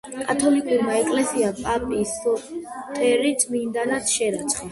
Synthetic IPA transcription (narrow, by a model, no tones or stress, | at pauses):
kʼat̪ʰɔlikʼuɾmaɛkʼlɛsiapʼapʼisɔt̪ʰʼɛɾit̪ʰʼmind̪anat̪ʰʃɛɾat̪sʰχi